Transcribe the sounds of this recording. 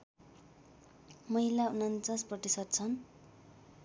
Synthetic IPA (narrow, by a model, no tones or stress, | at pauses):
mʌɦilaunʌnt͡sʌsprʌt̪isʌt̪̚t͡sʰʌn